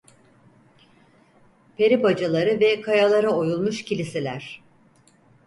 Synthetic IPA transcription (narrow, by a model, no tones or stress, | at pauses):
pʰe̞ɾibad͡ʒalˠaɾɯvɛkʰajalˠaɾaojulˠmuʃcilʲiselʲæɾ̥